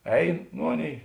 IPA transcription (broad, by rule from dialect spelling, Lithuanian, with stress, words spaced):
ˈɛɪn ˈnʊ ˈɑːˌnʲeːɪ